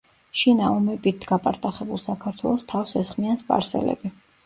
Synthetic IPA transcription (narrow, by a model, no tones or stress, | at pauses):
ʃinaɔmɛpʼit̪ɡapʼaɾt̪ʼaχɛbulˠsakʰaɾt̪ʰwɛ̰lˠɔst̪ʰafsɛsχmianspʼa̰ɾsɛ̰lɛ̰bi